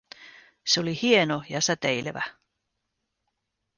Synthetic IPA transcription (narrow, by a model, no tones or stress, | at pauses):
seolihienojɑsæt̪ejleʋæ̰